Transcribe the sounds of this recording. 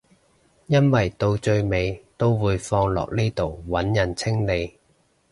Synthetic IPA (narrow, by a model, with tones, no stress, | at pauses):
jɐ˥nwɐ˨˩jt̪o˧wt͡ʃɵ˧ɥme˨˧jt̪o˥wwuː˨˧jfɔː˧ŋlɔ̰ː˨k̚liː˥t̪o˨wwɐ˨˥njɐ˨˩nt͡sʰɪ˥ŋle˨˧j